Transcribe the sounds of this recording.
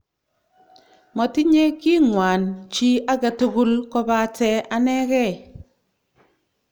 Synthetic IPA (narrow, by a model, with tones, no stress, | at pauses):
mɔ˨ti˦ɲe˦ki˦ŋwa˨nt͡ʃi˦a˦ɡa˨tu˦ɡu˦lkɔ˦ba˨tɛ˦a˦nɛ˦kɛ˦˨